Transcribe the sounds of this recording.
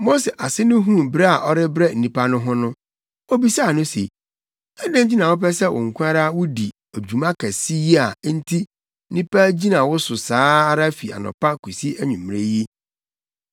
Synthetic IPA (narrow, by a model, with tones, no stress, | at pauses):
mo˦sɛ˨ʔa˨sɪ˦nʊ̃˦ɦũ˦bɾe˦a˨ʔɔ˦ɾɪ˦bɾɛ˦n̩˨ĩ˨pa˦nʊ̃˦ɦʊ̃˦nʊ̃˦ | o˦bi˦sa˦˨nʊ̃˦sḛ˨ | ɛ˦dɪ̃˦n˦d͡ʑi˦nã˨wʊ˦pɛ˦sɛ˦wʊ̰˨ŋ̩˨kʷʰʊ˦a˦ɾa˦wʊ˦di˨ | e˨d͡ʑᶣu˨mã˦kʰɛ˨si˦ji˦a˨˦n̩˦tʰi˦ | nĩ˦pa˦d͡ʑi˦nã˨wʊ˦sʊ˨saː˨˦a˦ɾa˦fi˨a̰˨nʊ̰̃˨pʰa˦ku˨si˦æ˦ɲũ˨mː˨ɾe˦ji˦